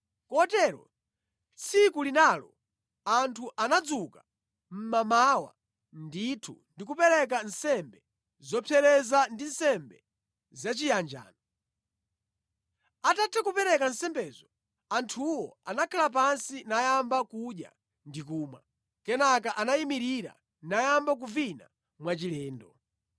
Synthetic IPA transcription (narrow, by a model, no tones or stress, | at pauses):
kɔtɛɾɔ̰ | t͡sʰikulinalɔ̰ | antʰuʔanad͡zuka | m̩mamawa̰ | nditʰṵndikupɛɾɛk̬an̩sɛmbɛ | zɔpʰɛɾɛzandin̩sɛmbɛ | zat͡ʃijand͡ʒa̰ːnɔ | atatʰɛkupɛɾɛkansɛmbɛzɔ | antʰuwɔanakʰalap̬ansinajambakuɗja̰ | ndikuːmwa̰ | kɛnakaʔanaimiɾiɾa̰ | najambak̬uvina̰ | mwat͡ʃilɛːndɔ